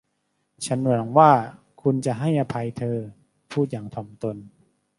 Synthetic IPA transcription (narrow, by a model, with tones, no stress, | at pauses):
t͡ɕʰa˦˥nmɔ˨˩˦ŋwaː˥˩ | kʰu˧nt͡ɕa˨˩ɦa˥˩jʔa˧pʰa˧jt̪ʰɤː˧ | pʰuː˥˩t̪̚jaː˨˩˦ŋt̪ʰɔː˨˩˦mt̪o˧n